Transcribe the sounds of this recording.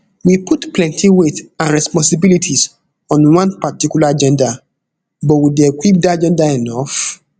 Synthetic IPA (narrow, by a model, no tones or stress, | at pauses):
wiputplɛ̃ntiwetãnɹɛspɔ̃nsibilitʰis | ɔ̃nwãnpatikjulaad͡ʒɛ̃nda | bɔtwidekwip̚dad͡ʒɛ̃ndaɛnɔf